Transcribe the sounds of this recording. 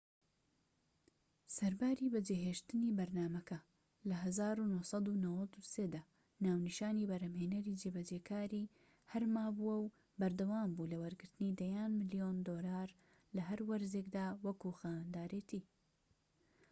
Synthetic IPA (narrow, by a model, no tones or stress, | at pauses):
sɐɾbaːɾibɐd͡ʒeːɦeːʃt̪ɨniːbɐɾnaːmɐkʰɐ | lɐɦɐzaːɾunohsˤɑd̪unɐwɐd̪useːd̪aː | naːwniʃaːniːbɐɾɐmheːnɐɾid͡ʒebɐd͡ʒeːkʰaːɾi | hɐɾmaːbuwɐw | bɐɾd̪ɐwaːmbulɐwɐɾɡɨɾt̪ɨniːd̪ɐjaːnmɨlijoːnd̪oːlaːɾ | lɐɦɐɾwɐɾzeːkd̪aːwɐkuxaːnd̪aːɾeːt̪ʰiː